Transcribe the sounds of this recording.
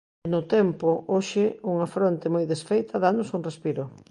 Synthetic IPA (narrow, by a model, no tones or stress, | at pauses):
nʊt̪ɛmpʊoʃɪuŋɐfɾont̪ɪmojðesfejt̪ʰɐðanʊsuŋrespiɾʊ